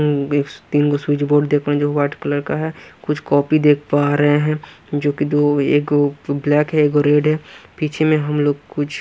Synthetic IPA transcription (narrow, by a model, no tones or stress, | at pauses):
eːkt̪iːnkoswɪt͡ʃboːɖd̪eːkʰɾaɛ̃d͡ʒoːʋaːʈkələɾkaɦɛkʊt͡ʃʰkɔːpid̪eːkʰpaːɾəɦẽɦɛ̃d͡ʒoːkid̪oeːkoblɛːkɦɛeːkoɾeːɖɦɛpiːt͡ʃʰemẽɦɐmloːɡkʊt͡ʃʰ